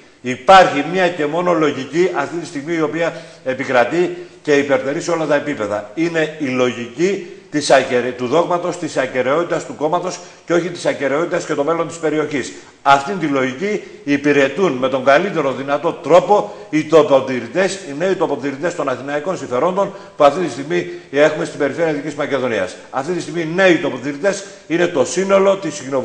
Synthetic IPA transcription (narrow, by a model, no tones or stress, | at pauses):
ipɐɾçimɲɐce̞mo̞no̞lo̞ʝiciʔɐft̪int̪ist̪iɣmiio̞piɐe̞pikɾɐt̪ice̞ipe̞ɾt̪e̞ɾiseo̞lɐt̪ɐe̞pipe̞ðɐ̰ine̞ilo̞ʝicit̪isɐeɾt̪uðo̞ɣmɐt̪o̞st̪isɐce̞ɾe̞o̞t̪it̪ɐst̪uko̞mɐt̪o̞s | ceo̞çit̪i̥sɐce̞ɾe̞o̞t̪it̪ɐsce̞t̪o̞me̞lo̞nt̪ispe̞ɾio̞çis | ɐft̪int̪ilo̞ʝiciː | piɾe̞t̪unme̞t̪o̞ŋɡɐlit̪e̞ɾo̞ðinɐt̪o̞t̪ɾo̞po̞it̪opo̞t̪iɾit̪e̞sine̞it̪opo̞t̪iɾit̪e̞st̪o̞nɐθinɐiko̞nsiɱfeɾo̞nd̪o̞npuɐft̪it̪ist̪iɣmie̞xume̞st̪imbe̞ɾife̞ɾiɐðicizmɐce̞ðo̞niɐ̰s | ɐft̪it̪ist̪iɣmine̞it̪opot̪iɾit̪e̞s | ine̞t̪o̞sino̞lo̞t̪iscino̞